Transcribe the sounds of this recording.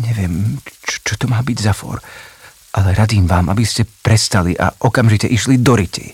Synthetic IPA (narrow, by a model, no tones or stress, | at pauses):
ɲɛʋɪɛmt͡ʃɔ̥t͡ʃɔt̪ɔmaːbiɟzafɔ̰ɾ | ʔalɛɾad̪iːmʋaːmʔa̰biscɛpɾɛst̪aliʔa̰ʔɔkamʒicɛʔiʃlid̪ɔɾicḭ